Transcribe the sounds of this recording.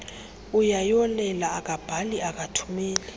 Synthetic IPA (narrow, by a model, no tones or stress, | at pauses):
ujajɔlɛlaːk̬ʼab̥ʱaliak̬ʼatʰu̥miːli